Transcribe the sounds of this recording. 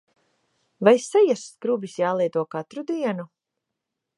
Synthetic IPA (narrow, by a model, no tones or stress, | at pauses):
vajsɛjɛsskɾubisjaːlˠiɛt̪uɔkat̪ɾud̪iɛnu